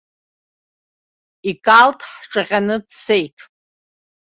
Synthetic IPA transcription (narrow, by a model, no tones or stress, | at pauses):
ikʼaltʰʼħʈ͡ʂʼɨʁʲʼanɨdse̞jtʼʰ